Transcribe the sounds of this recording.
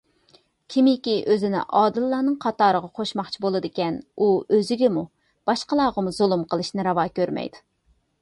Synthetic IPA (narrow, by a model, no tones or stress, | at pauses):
kʲʰimɪkʲiʔøzɪnɪ̰ʔɑːd̪ɨlˠːɑːnɨŋqʰɑt̪ɑːɾəʁɑqʰoʃmɑχt͡ʃʰibolˠɨd̪ɪkʲɛnuøzɪɡʲɛmu | b̥ɑʃqəlˠɑːʁɑmuzolˠumqʰəlˠɨʃnɨɾɑwɑːkʲøɾmɛ̰jd̪u